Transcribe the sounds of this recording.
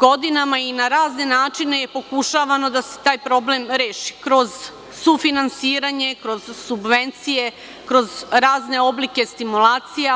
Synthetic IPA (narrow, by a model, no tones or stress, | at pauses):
ɡo̞d̪inamainaɾaːzne̞naːt͡ʃine̞jepo̞kuʃaʋano̞d̪ase̞̥t̪aːjpɾo̞blemɾeːʃi̥kɾo̞z | sufinansiːɾaɲe̞kɾo̞z̥subʋe̞nt̪sije̞ | kɾo̞zɾaːzne̞o̞blike̞st̪imulaːt̪sija